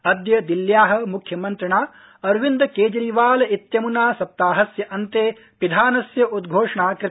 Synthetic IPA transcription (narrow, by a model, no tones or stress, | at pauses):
ɐd̪jɐd̪iljaːɦɐ̆mukʰjɐmɐnt̪ɾɐɳaː | ɐɾʋind̪ɐkeːd͡ʒɐɾiʋaːlɐit̪jɐmunaːsɐp̚t̪aːɦɐsjɐʔɐnt̪eː | pid̪ʱaːnɐsjɐud̪ɡʱoːʂɐɳaːkɾɪ